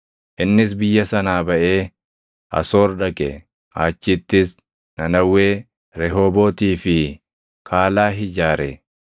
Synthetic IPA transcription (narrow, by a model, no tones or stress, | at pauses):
ʔɪnːɪs̬bɪjːɐsɐnaːbɐʔe̞ː | ʔɐ̰soːɾdɐkʼɛ̰ | ʔa̰ːt͡ʃːɪt̪ːɪs | nɐnɐwːe̞ː | ɾɛɦoːboːt̪iːfɪ | kʰaːlaːɦɪd͡ʒaːɾɛ